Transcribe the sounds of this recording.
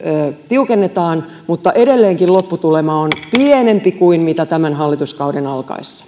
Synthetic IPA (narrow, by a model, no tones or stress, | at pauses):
øːt̪iukenːet̪ɑːn | mut̪ːɑʔedelːeːŋkillopːut̪ulemɑːonpienempikuinmit̪æt̪æmænɦɑlːit̪uskɑudenɑlkɑ̰isːɑ̥